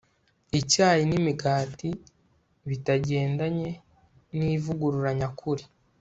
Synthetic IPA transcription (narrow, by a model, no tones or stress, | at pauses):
icaːjinimiɡaːti | βitaɟe̞ːndaɲe̞ | niːvuɡuɾuɾaɲakʰuɾi